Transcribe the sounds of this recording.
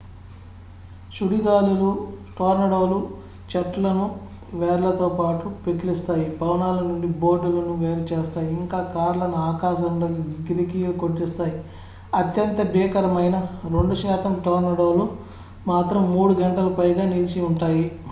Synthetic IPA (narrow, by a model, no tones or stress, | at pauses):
ʃuɽiɡaːluluʈoːɾnɐɽoːlu | t͡ʃɐʈlɐnu | ʋɛːɾlɐt̪oːpaːʈupekilist̪aːjipɐwnaːlɐnuɳɖibo̞ːɾɖulɐnuʋeːɾut͡ʃeːst̪aːjiiŋkaːkaːɾlɐnuaːkaːʃɐmloːkiʋiɡiɾikijɐlukoʈːist̪aːji | ɐt̪jɐnt̪ɐbiːkɐɾɐmɐjnɐɾeɳɖuʃaːt̪ɐmʈoːɾnɐɽoːlu | maːt̪ɾɐmːuːɽuɡɐɳʈɐlɐpɐjɡaːnilt͡ʃiuɳʈaːji